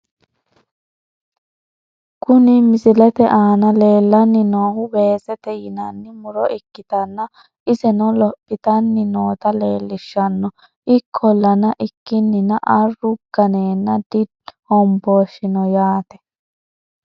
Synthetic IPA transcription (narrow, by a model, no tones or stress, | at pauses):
kʊnɪmɪzɪlɛt̪ɛʔaːnɐle̞ːlːɐnːɪnoːhʊbeːsɛt̪ɛjɪnɐnːɪmʊɾɔʔɪkːɪt̪ɐnːɐ | ʔɪzɛnɔlɔpːɪt̪ɐnːɪnoːt̪ɐleːlːɪʃːɐnːɔ | ɪkʰːɔlːɐnɐʔɪkːɪnːɪnɐʔɐrːʊɡ̥ɐneːnːɐd̪ɪd̪ | hɔmboːʃːɪnɔjaːt̪ɛ̥